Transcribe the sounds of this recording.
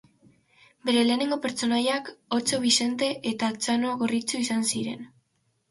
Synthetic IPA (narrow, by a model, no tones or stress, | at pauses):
be̞ɾe̞le̞ːneŋɡo̞pe̞ɾt͡so̞najako̞t͡so̞βise̞nt̪e̞ʔet̪at͡sano̞ɣo̞rit͡suisansiɾe̞̰n